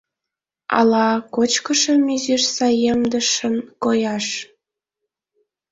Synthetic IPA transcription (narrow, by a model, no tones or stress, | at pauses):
ɑ̰lɑkot͡ɕkəʃəmyziʃsɑjemd̪əʃənkojɑʃ